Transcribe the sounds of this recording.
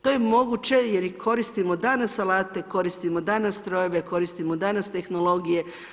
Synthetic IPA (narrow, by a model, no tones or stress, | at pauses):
t̪o̞jemo̞ɡut͡ɕe̞jeɾikʰo̞ɾist̪imo̞d̪anasalaːt̪e̞ko̞ɾist̪imod̪anast̪ɾo̞jeʋeko̞ɾist̪imod̪anast̪e̞xno̞lˠo̞ɡije̞